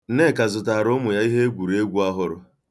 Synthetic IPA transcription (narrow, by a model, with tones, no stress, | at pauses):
ne˦˨ka˨zʊ˨ta˨ɾʊ˦mʊ˨ja˦i˦ɦe˦ɡʷu˨ɾe˦ɡʷu˦a˦ɦʊ˦ɾʊ̰˨